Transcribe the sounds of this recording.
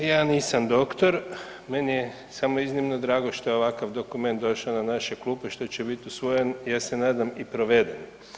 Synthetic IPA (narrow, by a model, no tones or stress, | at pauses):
jaːniːsamd̪o̞kt̪o̞ɾ | menije | samoiznimnod̪ɾaːɡo̞ʃt̪ojeoʋakaʋd̪o̞kume̞nt̪d̪o̞ʃaonanaʃeklˠuːpeʃt̪o̞t͡ɕebit̪usʋojenjaːse̞naːd̪amipɾo̞ʋed̪en